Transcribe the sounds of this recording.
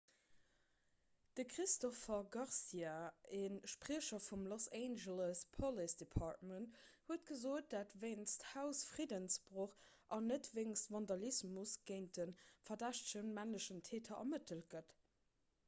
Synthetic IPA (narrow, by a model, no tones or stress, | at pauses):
d̥əkʁistɔfɐɡɑʁsiaeːnʃpʁiəʃɐfumloseɪnʒələspʰɔlisd̥epʰɑt̚mənthuətɡ̥əzoːt̚d̥aːtveɪnsthaʊsfʁidənsb̥ʁoχ | ʔɑnətveɪnstvɑndɑlismusɡ̥eɪnt̚dənfɐdæʃtʃənmænləʃəntʰeːtʰɐɐ̰mətʰəl̚ɡət